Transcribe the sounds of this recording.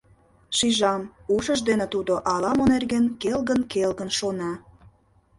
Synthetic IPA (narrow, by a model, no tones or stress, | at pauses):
ʃiʒɑmuʃəʒd̪enĕt̪ud̪oʔɑlɑmonerɣenkelɣənkelɣənʃonɑ